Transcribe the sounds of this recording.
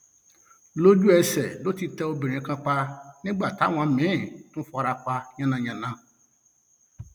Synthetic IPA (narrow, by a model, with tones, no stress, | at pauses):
lo˦d͡ʒu˦ɛ˦sɛ˨do˦ti˦tɛ˦o˦bi˨ɾ̃ĩ˨˦kã˦k͡pa˦nɪ̃˦ɡ͡ba˦˨ta˨˦w̃ã˨mɪ̃˦˨nʊ̃˦fɔ˨ɾa˨k͡pa˦ɲã˦nã˨ɲã˨nã˦˨